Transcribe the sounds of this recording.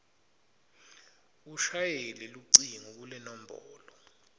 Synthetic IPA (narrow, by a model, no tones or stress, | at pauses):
uʃajeliluǀiŋuk̬ulɛnɔm̩bʱɔːlɔ